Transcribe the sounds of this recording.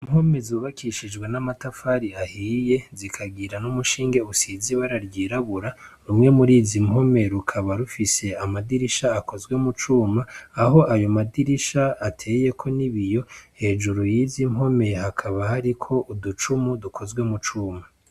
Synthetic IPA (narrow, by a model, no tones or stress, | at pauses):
imho̞me̞zuːβakʰiʃid͡ʒɡwe̞namatafaɾiahiːje̞zikʰaɡiɾanumuʃiːŋɡe̞usiziβaɾaɾɡiːɾaβuɾaɾumŋe̞muɾiːzimɦo̞meɾukʰaβaɾufise̞amadiɾiʃaːko̞zɡwe̞mut͡ʃuːmaːɦo̞ʔajo̞madiɾiʃaatʰe̞je̞kʰo̞niβijo̞he̞ːʒuɾujizimɦo̞me̞hakʰaβahaɾikʰo̞ʔudut͡ʃumudukʰo̞zwe̞mut͡ʃuːma